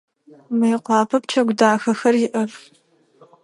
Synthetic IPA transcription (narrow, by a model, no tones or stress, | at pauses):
mɐjqʷɑːpʰɐp̚t͡ʃʰɐɡʷdaːxɐxɐrjɪʔɐr